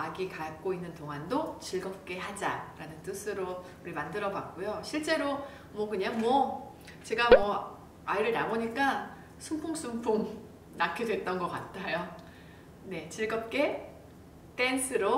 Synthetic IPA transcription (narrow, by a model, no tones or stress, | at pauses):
aɡikak͈oinːɯntoŋɦandot͡ɕiɭɡʌp̚k͈e̞ɦad͡ʑaɾanɯnt͈ɯsʰɯɾo | uɾimandɯɾʌbak̚k͈ojoɕʰiɭt͡ɕ͈e̞ɾo | mwʌkɯɲaŋmwʌ | t͡ɕe̞ɡamwʌ | aiɾɯɭnamoɲik͈a | sʰumpʰoŋsʰumpʰoŋ | nakʰidwe̞t̚t͈ʌnɡʌk͈at̚tʰːajo | ne̞t͡ɕiɭɡʌp̚k͈e̞ | t͈e̞nsʰɯɾo